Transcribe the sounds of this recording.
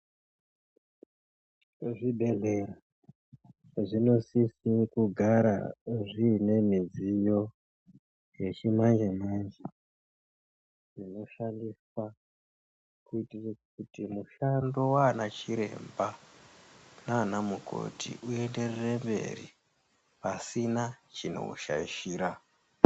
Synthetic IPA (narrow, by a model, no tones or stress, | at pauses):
ʐibʱe̞ɮe̞ra | ʐino̞sisikuɡʱaɾa̰ʐine̞mid͡zijo̞ | je̞t͡ʃimand͡ʒemand͡ʒe | ʐino̞ʃandiswa | kuitirkutimuʃando̞waːnat͡ʃiɾe̞̰mba | naːnamukʰo̰tʰḭʔue̞nde̞rere̞mbe̞̰rḭ | pasinat͡ʃino̞̰uʃa̰iʃiːɾa